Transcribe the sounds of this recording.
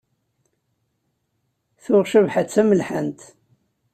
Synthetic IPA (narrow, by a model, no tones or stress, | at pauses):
θʊʁʃəvħat͡sːæməlħənt̪